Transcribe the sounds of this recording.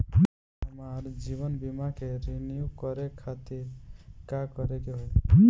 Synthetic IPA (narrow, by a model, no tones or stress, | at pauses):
ɦəmaɾd͡ʒiβənbimakeɾenijukəɾekʰːat̪iɾkakəɾekeɦoj